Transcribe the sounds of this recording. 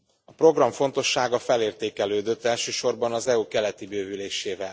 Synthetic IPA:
ɒpro̞ɡrɒɱfo̞nt̪o̞ʃːaːɡɒfɛleːrt̪eːkɛløːd̪øt̪ːɛlʃøːʃo̞rbɒnɒzɛuːkɛlɛt̪ibøːvyleːʃeːvɛl

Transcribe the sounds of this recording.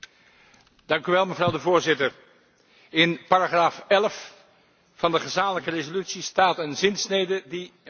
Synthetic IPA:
d̥ɑŋkyʋɛlˠməvrɑwdəvʊːɹzɪtəɹ | ɪnpaːɾaχraːfɛləf | fɑndəχəzaːmələkərezolytsistaːtənzɪnsnejdədi

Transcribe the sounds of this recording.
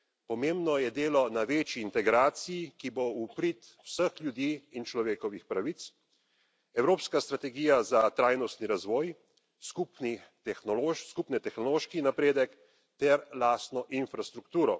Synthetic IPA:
pɔmeːmbnɔjɛd̪eːlɔnaʋeːt͡ʃiːnt̪ɛɡɾaːt̪sijikiboupɾit̪ | wsəxljud̪iːnt͡ʃlɔʋeːkɔʋixpɾaʋit̪s | ɛwɾoːpskast̪ɾat̪ɛɡiːjazat̪ɾaːjnɔst̪niɾazʋɔːj | skupnit̪ɛxnɔloskupnɛt̪ɛxnɔloːʃkinapɾeːd̪ɛk | t̪ɛɾlaːst̪nɔʔinfɾast̪ɾukt̪uːɾɔ

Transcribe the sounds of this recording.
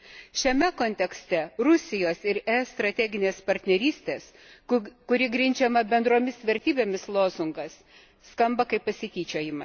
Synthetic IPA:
ʃʲɛmʲɛkoːnʲt̪ʲɛksʲt̪ʲɛɾʊsʲɪjoːsɪɾɛst̪ɾɐt̪ʲæːɡʲɪnʲeːspɐɾʲt̪ʲnʲɛɾʲiːsʲt̪ʲeːs | kʊɾʲɪɡɾʲɪnʲd͡ʒʲɛmɐbʲɛnd̪ɾoːmʲɪsʋʲɛɾʲt̪ʲiːbʲeːmʲɪslˠoːzʊŋɡɐsː | kɐmbɐkɐɪppɐsʲɪt̪ʲiːt͡ʃʲoːjɪmɐ

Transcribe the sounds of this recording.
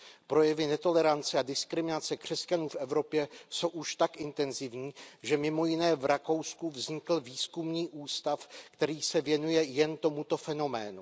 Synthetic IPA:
pɾo̞jɛvɪnɛt̪o̞lɛɾant͡sɛadɪskɾɪmɪnat͡sɛkr̝̥ɛscanuːfʔɛvɾo̞pjɛso̞wʔuʃt̪akʔɪnt̪ɛnzɪvɲiːʒɛmɪmo̞jɪnɛːvɾako̞wskuvzɲɪkl̩viːskumɲiːʔuːst̪afkt̪ɛɾiːsɛvjɛnujɛjɛnt̪o̞mut̪o̞fɛno̞mɛ̰ːnu

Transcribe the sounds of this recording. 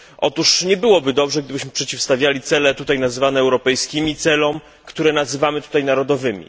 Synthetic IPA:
ʔɔt̪uʂɲɛbɘwɔbɘd̪ɔbʐɛɡ̚d̪ɘbɘɕmɘpʂɛt͡ɕifst̪avʲjalʲit̪sɛlɛt̪ut̪ajnazɘvanɛːwɾɔpɛjskʲimʲit̪sɛlɔm | kt̪uɾɛnazɘvamɘt̪u̥t̪ajnaɾɔd̪ɔvɘmʲḭ

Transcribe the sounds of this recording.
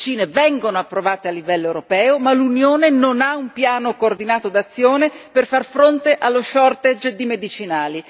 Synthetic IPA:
t͡ʃiːnevɛŋɡonoapːɾovaːt̪ealːivɛlːoewɾopɛːomalunjoːnenonaumpjaːnokoːrd̪inaːt̪od̪at̪sːjoːneperfarfɾont̪eʔalːoʃɔrt̪ed͡ʒd̪imed̪it͡ʃinaːli

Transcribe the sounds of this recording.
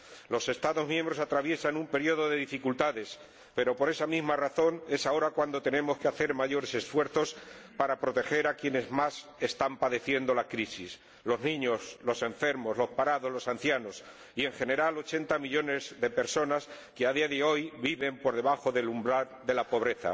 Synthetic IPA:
lo̞se̞st̪aðo̞zmjẽ̞mbɾo̞sat̪ɾaβje̞sanumpe̞ɾjo̞ðo̞ðe̞ðifikult̪aðe̞s | pe̞ɾo̞po̞ɾe̞samizmaraθo̞ne̞sao̞ɾakwand̪o̞t̪e̞nẽ̞mo̞skeaθe̞ɾmaʝo̞ɾe̞se̞sfwe̞ɾθo̞spaɾapɾo̞t̪e̞xe̞ɾakje̞ne̞zmas | e̞st̪ampaðe̞θje̞nd̪o̞lakɾisis | lo̞znĩɲo̞zlo̞sẽ̞ɱfe̞ɾmo̞zlo̞spaɾaðo̞zlo̞san̟θjano̞s | ie̞ŋxe̞ne̞ɾalo̞t͡ʃe̞nt̪amiʎo̞ne̞zðe̞pe̞ɾso̞nas | keaðiaðeo̞jβiβe̞mpo̞ɾðe̞βaxo̞ðe̞lumbɾaɾðe̞lapo̞β̞ɾe̞θa̰

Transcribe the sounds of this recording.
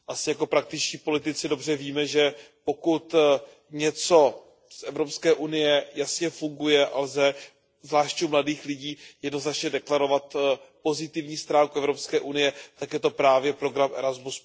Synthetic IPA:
ʔasɪjako̞pɾak̚t̪ɪt͡ʃciːpo̞lɪt̪ɪt͡sɪdo̞br̝ɛviːmɛʒɛ | po̞kut̪ | ɲɛt͡so̞ | sʔɛvɾo̞pskɛːʔunɪjɛjasɲɛfuŋɡujɛʔalzɛ | zvlaːʃcumladiːxlɪɟiːjɛdno̞znat͡ʃɲɛdɛklaɾo̞vat̪po̞zɪt̪ɪvɲiːst̪ɾaːŋkuʔɛvɾo̞pskɛːʔunɪjɛt̪akjɛt̪o̞pɾaːvjɛpɾo̞ɡɾamʔɛɾazmus

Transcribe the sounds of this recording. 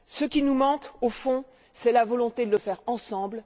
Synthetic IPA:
səkʲinumɑ̃kofɔ̃ | sɛlavɔlɔ̃t̪ed̪ələfɛʁɑ̃sɑ̃bl

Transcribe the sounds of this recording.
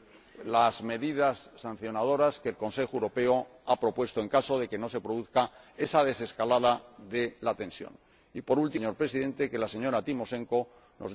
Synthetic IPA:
lazme̞ðið̞asːan̟θjo̞nað̞o̞ɾaske̞ːlko̞nse̞xoewɾo̞pe̞o | apɾo̞pwe̞st̪oe̞ŋkaso̞ð̞e̞ke̞nose̞pɾo̞ðuθkae̞saðe̞se̞skalaðaðe̞lat̪ẽ̞nsjo̞̰n | ipo̞ɾult̪iɲo̞ɾpɾe̞siðẽ̞nt̪eke̞lase̞ɲo̞ɾat̪imo̞sẽ̞ŋko̞ | nʔoz

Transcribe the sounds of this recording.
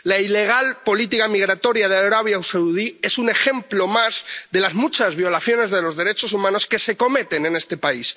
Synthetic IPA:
laile̞ɣ̞alpo̞lit̪ikamiɣ̞ɾat̪o̞ɾjað̞eawɾaβ̞jawsawuðie̞sune̞xe̞mplo̞mazðe̞lazmut͡ʃazβjo̞laθjo̞ne̞zðe̞lo̞zðe̞ɾe̞t͡ʃo̞sumãno̞ske̞se̞ko̞me̞t̪e̞ne̞ne̞st̪e̞pais

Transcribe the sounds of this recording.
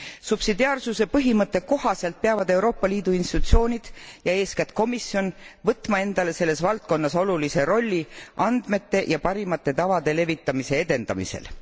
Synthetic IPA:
sub̥sid̪iɑːrsuse̞pɤɦimɤt̪ːˑe̞ko̞ɦɑse̞lt̪̚peɑvɑd̪e̞uɾo̞ːpːɑliːd̪̥uinst̪it̪ut̪sio̞ːnʲid̪̥jɑe̞ːskæt̪ko̞misjo̞nvɤt̪ːˑmɑe̞nd̪̥ɑle̞se̞lːe̞svɑlt̪̚ko̞nːɑso̞lulise̞ɾo̞lʲːiʔɑnd̪̥me̞t̪ːe̞jʔɑpɑɾimɑt̪ˑːe̞t̪ɑvɑd̪̥e̞le̞vit̪ːˑɑmise̞e̞d̪e̞nd̪ɑ̰mḭse̞̰l

